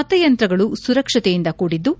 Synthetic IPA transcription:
ɐt̪ɐjɐnt̪ɾɐɡɐɭusuɾɐkʂɐt̪ejind̪ɐkuːɽid̪ːu

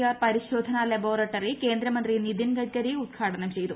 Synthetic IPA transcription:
ɐpɐɾiʃoːd̪ʱɐnalɐboːɾɐʈːɐɾike̞ːnd̪ɾɐmɐnt̪ɾinid̪ʱinɡɐʈɡɐɾiud̪ɡʱaːʈɐnɐmt͡ɕejit̪u

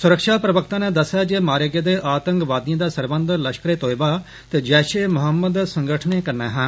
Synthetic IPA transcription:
sʊɾəkʃaːpɾəʋəkt̪ãːneːd̪əsjaːd͡ʒeːmaːɾeːɡeːd̪eːʔaːt̪ə̃ŋkʋaːd̪ɪãːd̪aːsəɾbənd̪ləʃkɾeːt̪oːjbaː | t̪eːd͡ʒɛːʃeːmʊɦəmːəd̪sə̃ŋɡəʈʰneːkəɾneːɦãː

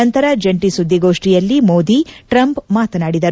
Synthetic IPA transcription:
ɐnt̪ɐɾɐd͡ʒɐɳʈisud̪ʱːiɡo̞ːʂʈijɐlːimoːd̪iʈɾɐmpmaːt̪ɐnaːɽid̪ɐɾ

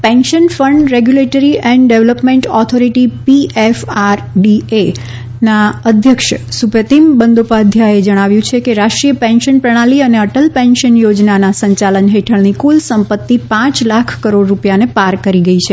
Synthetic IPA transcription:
pɛ̃nʃənfəɳɖɾeɡjuleʈəɾiʔɛ̃ɳɖɖeʋləpmẽɳʈɔt̪ʰoɾiʈipiefaɾɖie | naəd̪ʱjəkʃsupət̪imbənd̪opad̪ʱjaed͡ʒəɽ̃aʋjũt͡ʃʰekeɾaʃʈɾijəpɛ̃nʃənpɾəɽ̃aliəneəʈəlpɛ̃nʃənjod͡ʒnanasəɲt͡ʃalənɦeʈʰəɭnikulsəmpət̪ːipãt͡ʃlakʰkəɾoɖɾupjanepaɾkəɾiɡəit͡ʃʰe

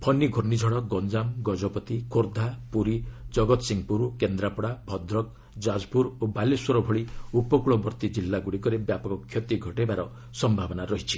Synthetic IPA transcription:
pʰɔniɡʱoɾnid͡ʒʱɔɽɔkɡɔnd͡ʒamɡɔd͡ʒɔpɔt̪ikʰoɾd̪ʱapuɾid͡ʒɔɡɔt̪siŋpuɾkend̪ɾapɔɽabʱɔd̪ɾɔk̚ | d͡ʒad͡ʒpuɾobalesoɾɔbʱɔɭiupɔkuɭɔbɔɾt̪id͡ʒilːaɡuɽikɔɾebjapɔkɔkʰːjɔt̪iɡʱɔʈebaɾɔ | sɔmbʱabɔnaɾɔɦit͡ʃʰi̥

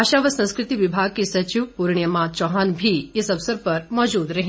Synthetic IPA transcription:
aʃaʋəsə̃ñskɾɪt̪iʋibʱaɡ̚kisɐt͡ʃiʋpuɾɳjəmãt͡ʃɔɦanbʱiesɐʋsəɾpɐɾmɔd͡ʒud̪ɾɐɦĩ

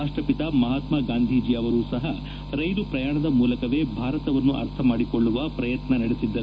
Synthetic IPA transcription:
ɐʂʈɐpit̪amɐɦaːt̪maɡaːnd̪ʱiːd͡ʒiɐʋɐɾuːsɐɦɐ | ɾɐjnupɾɐjaːɳɐd̪ɐmuːlɐkɐʋe̞ːbʱaːɾɐt̪ɐʋɐnːuʔɐ̰ɾt̪ʰɐmaːɽikoɭːuʋɐpɾɐjɐt̪nɐnɐɽesid̪ːɐɾuu

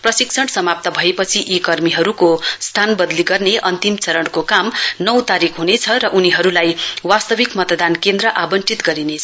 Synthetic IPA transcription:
prʌsiksʰʌɽsʌmap̚t̪ʌbʱʌepʌt͡sʰiʔikʌrmiɦʌɾukost̪ʰanbʌd̪liɡʌrneʔʌnt̪imt͡sʌɾʌɽkokamnʌwt̪aɾikʰɦunet͡sʰʌɾʌʔuniɦʌɾulajwast̪ʌbʱikmʌt̪ʌd̪ankend̪rʌʔabʌnt͡sit̪ɡʌɾinet͡sʰʌ

